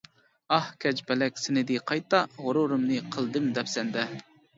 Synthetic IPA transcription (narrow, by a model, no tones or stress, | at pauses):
ɑhkʲʰɛt͡ʃbɛlɛkʲsɪnɪd̪ɨqʰɑjt̪ɑʁoɾuɾɨmnɨqʰəlˠd̪ɨmd̪ɛpsɛnd̪ɛ